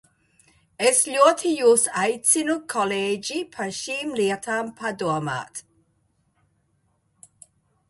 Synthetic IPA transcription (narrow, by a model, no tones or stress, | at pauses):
ɛsʎɔt̪ʰijusajt͡sinukʰɔled͡ʒipʰaʃiːmliət̪ʰampʰadɔɐma̰t̪